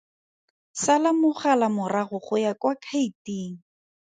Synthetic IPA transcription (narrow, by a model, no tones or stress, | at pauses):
salamʊχalamʊraɣʊχʊjakwakʰaitiːŋ̩